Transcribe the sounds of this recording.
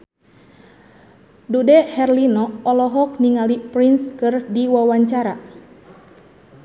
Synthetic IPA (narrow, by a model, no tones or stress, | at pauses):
dudɛhɛrlinɔːlɔɦɔk̚niŋalipɾinskɨrdiwawaɲt͡ʃaɾa